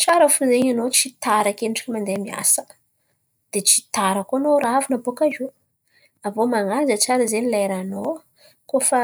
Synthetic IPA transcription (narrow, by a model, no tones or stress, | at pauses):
t͡ʃaɾəfuzeɲanot͡ʃit̪aɾakeniʈ͡ʂi̥kʲimand̪emia̰sə̥ | d̪̥et͡ʃi̥t̪aɾakoanoɾavinabokazu | avomaŋazət͡ʃaɾəzenilajɾano | kofa